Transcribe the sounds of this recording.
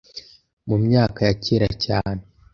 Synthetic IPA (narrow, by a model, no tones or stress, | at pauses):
mumɲaːkajaciɾa̰caːne